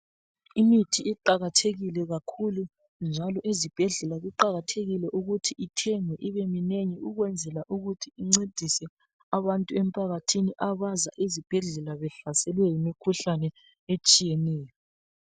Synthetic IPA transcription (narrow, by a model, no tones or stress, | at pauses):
imitʰiiǃaɣatʰeɣilɛɣakʰulu | nd͡ʒʱalɔʔezib̥ʱɛɮɛlaɣuǃaɣatʰeɣilɛʔuɣutʰiitʰɛŋɛʔiβemineɲɛuɣwɛnd͡zʱɛlaʔuɣutʰiːŋ͡ǀed̥ʱisɛ | aβantʼuɛm̩pʼʰaɣatʰiniʔaβaza̰ʔezib̥ʱɛɮɛlaβɛɬasɛlwɛjimikʰuɬanɛ | et͡ʃʼijɛnɛːjɔ